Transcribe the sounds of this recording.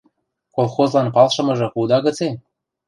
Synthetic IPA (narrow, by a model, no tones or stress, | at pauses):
kolˠxozlɑnpɑlʃɤ̆mɤ̆ʒɤ̆xud̪ɑɣət͡se